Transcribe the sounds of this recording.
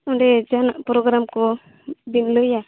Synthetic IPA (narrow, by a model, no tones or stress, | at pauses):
ɔɳɖɛd͡ʒanaʔpɾɔɡɾamkɔ | binlɔja